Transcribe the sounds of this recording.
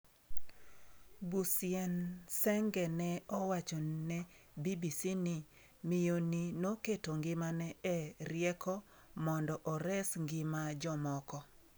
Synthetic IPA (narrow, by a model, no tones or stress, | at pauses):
busjɛnsɛŋɡɛnɛɔwat͡ʃɔnɛ | bibisinɪ | mɪjoninoketoŋɡɪmanɛɛɾɪɛkʰɔ | mɔndɔʔɔɾɛsŋɡɪmad͡ʒɔmɔkɔ